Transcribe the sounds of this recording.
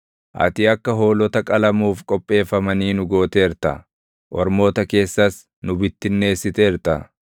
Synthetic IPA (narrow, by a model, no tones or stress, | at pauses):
ʔɐ̰t̪ɪɐkːɐɦo̞ːlɔt̪ɐkʼɐlɐmuːfkʼɔpʼːe̞ːfːɐmɐniːnʊɡo̞ːt̪e̞ːɪɾt̪ɐ̰ | ʔɔ̰ɾmo̞ːt̪ɐke̞ːsːɐs | nʊbɪt̪ːɪnːe̞ːsːɪt̪eːɪɾt̪ɐ̰